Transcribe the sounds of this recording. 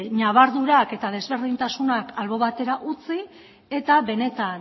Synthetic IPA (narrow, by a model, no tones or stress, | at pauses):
ɲaβaɾðuɾake̞t̪að̞e̞zβe̞ɾðint̪asunakalβo̞βat̪e̞ɾaʔut͡si | e̞t̪aβe̞ne̞t̪an